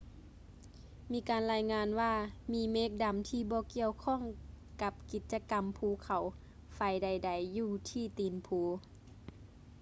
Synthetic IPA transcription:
miː˧˥kaː˨nlaː˧jŋaː˧nwaː˧miː˧˥meː˧˦k̚da˨˦mt̪ʰiː˧bɔː˧˦ki˧˨əwkʰɔ˧˥˨ŋ | ka˧˦p̚ki˧˦t̪̚t͡ɕa˧ka˨mpʰuː˧˦kʰa˨˩w | fa˧˩jda˧˩jda˨˩jːuː˧t̪ʰiː˧t̪iː˨˩npʰuː˨˦

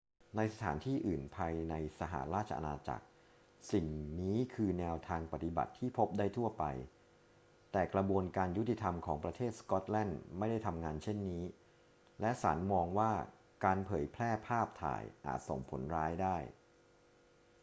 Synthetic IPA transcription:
na˧jsa˧t̪ʰaː˩˦nt̪ʰiː˥˩ʔɯː˨˩npʰaː˧jna˧jsa˧ɦa̰˨˩ɾaː˥˩t̪̚t͡ɕʰa̰˧ʔa̰˧naː˧t͡ɕa̰˨˩k̚ | si˨˩ŋniː˦˥kʰɯː˧nɛː˧wt̪ʰaː˧ŋpa˨˩t̪i˨˧ba̰˨˩t̪ʰːiː˥˩pʰo˦˥p̚daː˥˩jt̪ʰu˥˩ɐpa̰˧j | t̪ɛː˨˩kɾa˧bu˧ənkaː˧nju˦˥t̪ʰːi˨˩t̪ʰa˧mkʰɔː˩˦ŋpɾa˧t̪ʰeː˥˩t̪̚skɔ˦˥t̪̚lɛ˥˩nma˥˩jda˥˩jt̪ʰa˧mŋaː˧nt͡ɕʰe˥˩nːiː˦˥ | lɛ˦˥saː˩˦nmɔː˧ŋwaː˥˩ | kaː˧npʰɤː˩˦jpʰlɛː˥˩pʰaː˥˩p̚t̪ʰa̰ː˨˩jʔa̰ː˨˩t̪̚so̰˨˩ŋpʰo̰˩˦nɾaː˦˥jdaː˥˩j

